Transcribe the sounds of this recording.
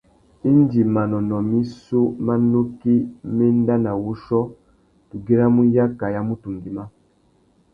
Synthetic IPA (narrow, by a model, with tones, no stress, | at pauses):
i˦ndi˨ma˨nɔ˨nɔ˨mi˦so˦ma˦no˦ki˦me˦n˦da˦na˨wu˦ʃɔ˦ | tu˨ɡe˦ɾa˦mu˦ja˦ka˨ja˦mu˦tu˨ŋɡi˨ma˦